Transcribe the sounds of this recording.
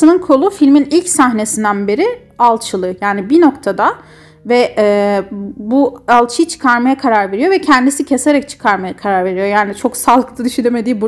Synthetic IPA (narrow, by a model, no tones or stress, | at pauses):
ɯnɯnkʰo̞lˠufilʲminilʲcsaɦne̞sind̪ænbe̞ɾi | alˠt͡ʃʰɯlˠɯjaːnibino̞kt̪ʰad̪a | vɛɛːbualˠt͡ʃʰɯjt͡ʃʰɯ̥kʰaɾmajakʰaɾaɾve̞ɾijo̞ɾvɛcʰɛnd̪isicʰe̞se̞ɾɛc̚t͡ʃʰɯ̥kʰaɾmajakʰaɾaɾve̞ɾijo̞jaːnit͡ʃʰo̞ksalˠɯkt̪ʰad̪iʃyd̪emed̪iːbu